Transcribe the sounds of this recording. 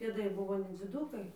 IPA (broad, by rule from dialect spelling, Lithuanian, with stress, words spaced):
pʲeːˈdɐɪ ˈbʊʋoː nʲɛd͡zʲɪˈduːkɐɪ